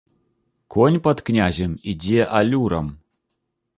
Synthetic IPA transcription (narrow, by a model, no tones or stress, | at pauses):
konʲpɐt̪knʲazʲemidʲeʔalʲuɾɐm